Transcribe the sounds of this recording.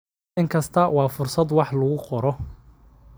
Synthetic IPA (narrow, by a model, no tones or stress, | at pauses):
ɪŋkʰɐst̪ʰɐwɑːfʊrsɐd̪wɑħlʊɣʊqɔɾɔ